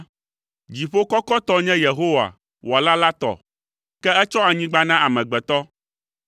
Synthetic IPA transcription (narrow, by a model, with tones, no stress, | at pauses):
d͡ʑi˨ɸo˦kɔ˦kɔ˦t̪ɔ˦ɲɛ̃˦je˨ɦo˦wa̰˨ | wʔo˨a˨la˦la˦t̪ɔ̰˨ | kɛ˦ɛ˦t͡ʃɔ˦a˨ɲĩ˦ɡ͡ba˦nã˦ʔa˨mɛ̃˨ɡ͡bɛ˨t̪ɔ˦